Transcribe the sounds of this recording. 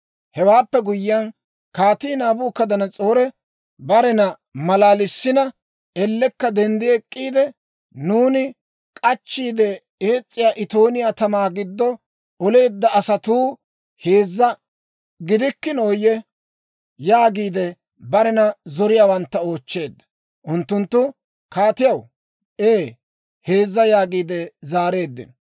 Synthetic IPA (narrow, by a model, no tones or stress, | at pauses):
hɛwaːpːɛɡʊjɪːɐn | kaːt̪iːnaːbuːkːɐd̪ɐnɐt͡sʼoːɾɛ | bɐɾɛnɐ | mɐlaːlɪsːɪnɐ | ɛlːɛkːɐd̪ɛnd̪ɪɛkʼːiːd̪ɛ | nuːnɪ | kʼɐt͡ʃːiːd̪ɛ | eːt͡sʼːɪjaːʔɪt̪o̞ːnɪjaːt̪ɐmaːɡɪd̪ːɔ | ʔɔle̞ːd̪ːɐɐsɐt̪uː | he̞ːzːɐ | ɡɪd̪ɪkːɪnoːjɛ | jaːɡiːd̪ɛ | bɐɾɛnɐzɔɾɪjaːwɐnt̪ːɐo̞ːt͡ʃːe̞ːd̪ːɐ̥ | ʔʊnt̪ːʊnt̪ːʊ | kaːt̪ɪjɐw | ʔeː | he̞ːzːɐjaːɡiːd̪ɛzaːɾe̞ːd̪ːɪ̰n